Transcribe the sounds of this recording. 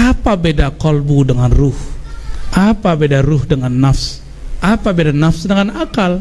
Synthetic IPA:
apabedakɔlbudəŋanrʊhʔapabedarʊhdəŋanːafs | apabedanafsdəŋanakal

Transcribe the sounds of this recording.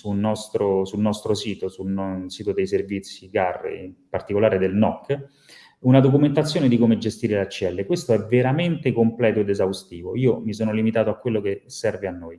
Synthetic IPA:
sulnɔst̪ɾosulnɔst̪ɾosiːt̪osulnɔsiːt̪od̪ejservit̪sːiɡarːḛmpart̪ikolaːɾed̪elnɔkː | unad̪ok̬ument̪at̪sːjoːned̪ikomed͡ʒest̪iːɾelat͡ʃːɛlːekwest̪oɛveɾament̪ekomplɛːt̪oed̪ezawst̪iːvoiːomisoːnolimit̪aːt̪oakːwelːokesːɛrveanːoːj

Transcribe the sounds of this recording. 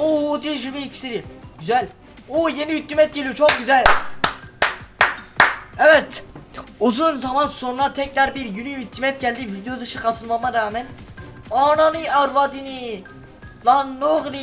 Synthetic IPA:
od̪iʒɯmiːcsiɾiɟ̥yzælʲ | ojeniyt̪ʰːimɛt̪̚ɟelʲijot͡ʃʰok̚ɟyzælʲ | ɛvɛt̪ | uzunzamanso̞nɾat̪ʰɛcɾaɾbiɾjynyyt̪ʰːimɛt̪̚ɟælʲd̪ivid̪ejod̪ɯʃɯkʰasɯlˠmamaɾaːmɛnaːnanɯaɾvad̪ini | lˠanːoɣli

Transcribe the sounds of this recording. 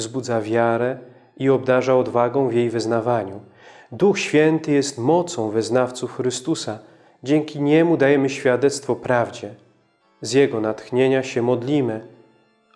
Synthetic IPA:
zbud̪zavʲjaɾɛ | iɔbd̪aʐaɔd̪vaɡɔ̃w̃vʲjejvɘznavaɲu | d̪uxɕfʲjɛnt̪ɘjɛst̪mɔt̪sɔ̃w̃vɘznaft̪sufxɾɘst̪usa | d͡ʑɛŋkʲiɲɛmud̪ajɛmɘɕfʲjad̪ɛt̪st̪fɔpɾavd͡ʑɛ | zjɛɡɔnat̪xɲeɲaɕɛmɔd̪lʲimɘ

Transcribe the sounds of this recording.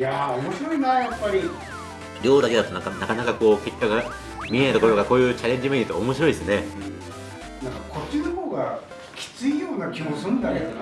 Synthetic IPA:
jaomo̞ɕiɾo̞inajapːaɾʲi | ɾʲo̞ːd̪ake̞d̪at̪o̞nãkanakanakako̞ːke̞kʲːoɡa | mʲiet̪okojokako̞ːjɯ̟ːt͡ɕaɾẽ̞ɲ̟d͡ʑimeɲʲːit̪ːoomo̞ɕ̬iɾo̞id̪esɨnẽ̞ | nãŋkakʰo̞t͡ɕːinohoːɡa | kʲʰi̥t͡sɨijo̞ːnakʲimosɨ̃nd̪ae

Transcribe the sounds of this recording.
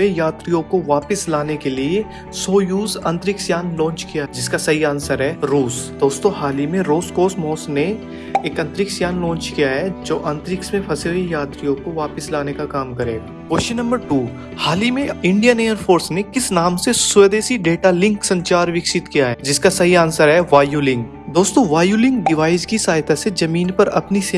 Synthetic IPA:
ejaːt̪ɾijõkoʋaːpɪslaːnekelie | soːjuːzɐ̃nt̪ɾɪksjaːnlɔ̃ːɲt͡ʃkijad͡ʒɪskasɐɦiaːnsəɾɦɛːɾuːsd̪̥oːst̪õhaːlimẽɾoːskoːsmɔːsne | eːkɐ̃nt̪ɾɪksjaːnlɔ̃ːnt͡ʃkijaɦɛd͡ʒoːʔɐ̃nt̪ɾɪksmẽpʰɐsejaːt̪ɾijõkoʋaːpɪslaːnekakaːmkɐɾeː | poːʃinɐ̃mbəɾʈuː | haːlimẽɪ̃ɳɖijəneːəɾfʰoːɾsnekɪsnaːmsesed̪eːsiɖeːʈalɪ̃ŋksɐ̃ɲt͡ʃaːɾʋɪkʃɪt̪kijaɦɛːd͡ʒɪskasɐɦiaːnsaɾɦɛʋaːjulɪ̃ŋɡ | d̪oːst̪õʋaːjulɪ̃ŋɡɖɪʋaːɪzkisaːɪt̪ʰased͡ʒɐmiːnpɐɾɐpnis

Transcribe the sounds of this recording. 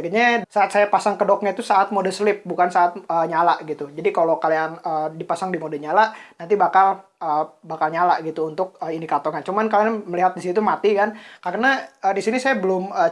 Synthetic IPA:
kəɲasaat̪̚sajapasaŋkədok̚ɲait̪usaʔːt̪̚modəsəlɪp̚bukansaːt̪̚əɲalaʔɡit̪ud͡ʒadikalokalianəːdipasaŋdimodəɲalaʔnant̪ibakaləːbakalɲalaʔɡit̪uːnt̪ʊk̚əindikat̪ɔkant͡ʃumankalianməliɦat̪̚disit̪umat̪ikankarnaədisinisajabəlʊmə

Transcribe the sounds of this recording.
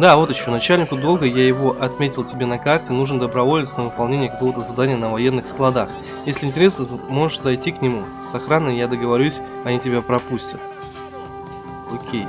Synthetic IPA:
d̪avo̞t̪ɪɕːo̞nɐt͡ɕælʲnʲɪkʊd̪o̞lˠɡəjajɪvo̞ʔɐt̪mʲetʲɪlˠtʲɪbʲe̞nɐkat̪kənuʐnəd̪əbɾɐvo̞lʲɪt̪sənəvɨpɐlˠnʲenʲɪjəkɐko̞vət̪əzɐd̪anʲɪjənəvɐje̞nːɨxsklˠɐd̪ax | jesʲlʲɪnʲtʲɪɾʲe̞snət̪omo̞ʐɨʂzɐjtʲiknʲɪmu | sɐxɾanːəjjad̪əɡəvɐɾʲusʲ | ɐnʲitʲɪbʲapɾɐpusʲtʲət̪ | okʲʰej

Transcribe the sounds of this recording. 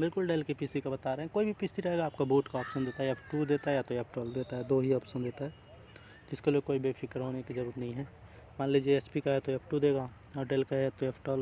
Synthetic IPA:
bɪlkʊlɖeːlkipisikabɐt̪aɾeɦɛ̃koːibʱipisiɾɐɦeːɡaːp̚kaboːʈkaɔːpʃənd̪eːt̪aɦɛjɐpʰʈud̪eːt̪aɦɛjat̪oeːpʰʈɔːld̪eːt̪aɦɛd̪oːɦiɔːpʃənd̪eːt̪aɦɛː | d͡ʒɪskelekoːibefʰɪkəɾɦoːnekizɐɾuːɾət̪nɐɦĩɦɛ | mãːnled͡ʒieespikaɦɛt̪oeːpʰʈud̪eːɡa | ɔːɾɖeːlkaɦɛjat̪oeːpʰʈɔːl

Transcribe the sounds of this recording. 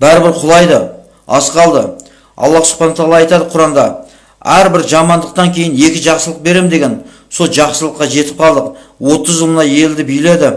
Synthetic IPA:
bæɾɪbɪɾqʰʊlˠɑjd̪ə | ɑ̰sqɑlˠd̪ə | ɑ̰lˠːɑsʊ̥qχɑnot̪ʰɑlˠɑɑjt̪ɑd̪əqʰʊɾɑmd̪ɑ | æɾbɪɾʒɑmɑnd̪əq̚t̪ɑŋkʲʰe̞jɪne̞kʲɪʒɑqsəlˠəq̚be̞ɾe̞mɪd̪e̞ɡʲe̞n | so̞lˠʒɑqsəlˠəqːɑʒe̞t̪ɪ̥p̚qʰɑlˠd̪əqwo̞t̪əzʒəlˠmənɑje̞ld̪ɪbijle̞d̪ɪ

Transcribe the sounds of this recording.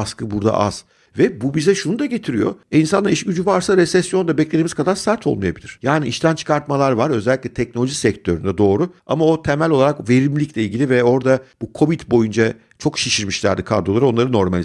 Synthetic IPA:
askʰɯbuɾd̪a̰ʔa̰z̥ | vɛbubizɛʃunud̪aɟet̪ʰiɾijo̞̰insanaiʃɟyd͡ʒyvaɾsaɾɛsɛsjo̞nd̪abɛcled̪imiz̥kʰad̪aɾsæɾt̪ʰo̞lˠmaja̰bilʲiɾ̥jaːniiʃt̪ʰænt͡ʃʰɯ̥kʰaɾt̪malˠaɾvaɾø̞zɛlʲːicʲlʲɛt̪ʰɛc̚no̞lʲo̞ʒisɛc̚t̪ʰø̞ɾynd̪ɛd̪o̞ːɾuamao̞t̪ʰemælʲo̞lˠaɾakve̞ɾimlʲiclʲɛilʲɟilʲivɛo̞ɾd̪ab̥ukʰo̞vit̪bo̞jund͡ʒa | t͡ʃʰo̞kʃiʃiɾmiʃlʲæ̰ɾd̪ikʰa̰ɾd̪o̞lˠaɾao̞nˠaɾɯno̞ɾmalʲ

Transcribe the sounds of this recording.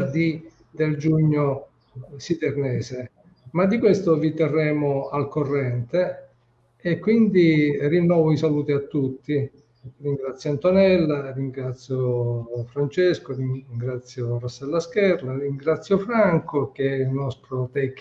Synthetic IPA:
rd̪i | d̪eld͡ʒuɲːo | sid̪ernɛːse | mad̪ːikwest̪ovit̪ɛrːɛːmoalkorːɛnt̪eː | kwind̪irinːɔːvoisaluːt̪iat̪ːut̪ːi | riŋɡɾat̪sjoant̪onɛlːariŋɡɾat̪sːjofɾant͡ʃeskoriŋɡɾat̪sːjorosːɛlːaskɛrlariŋɡɾat̪sːjofɾaŋkok̟eɛilnɔst̪ɾot̪ɛkː

